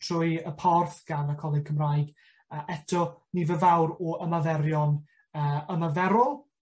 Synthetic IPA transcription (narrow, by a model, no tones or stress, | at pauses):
tʰrʊjəpʰɔrθɡ̥anəkʰɔlˠɪnkʰəmrajɡ | əʔɛtʰɔnivəvawɾɔʔəmaðɛɾjɔn | əːəmaðɛɾʊlˠ